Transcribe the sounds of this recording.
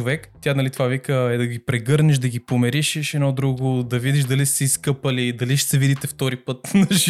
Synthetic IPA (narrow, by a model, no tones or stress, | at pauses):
ovɛkt̪janɐlit̪ovavikəɛd̪ɐɡipɾɛɡɤɾnɛʃd̪ɐɡipomɛɾiʃɛʃɛd̪nɔd̪ɾuɡod̪ɐvid̪iʃd̪ɐlissɛiskɤpəlid̪ɐliʃɛ̥sɛvid̪it̪ɛft̪ɔɾipɤt̪nɐʒ